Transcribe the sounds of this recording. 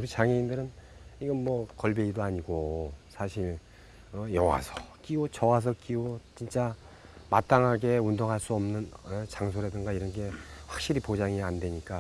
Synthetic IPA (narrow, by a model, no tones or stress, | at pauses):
uɾit͡ɕaŋeindɯɾɯniɡʌnmwʌkʌɭbeidoaɲiɡosʰaɕʰiɭ | ʌjʌwa̰sʰʌk͈iot͡ɕʌwas̬ʰʌk͈iot͡ɕint͡ɕ͈a | mat͈aŋɦaɡe̞undoŋɦaɭs͈uʌmnɯnet͡ɕaŋsʰoɾedɯŋɡaiɾʌnɡe̞ɸwak̚ɕ͈iɾipod͡ʑaŋiandwe̞ɲik͈a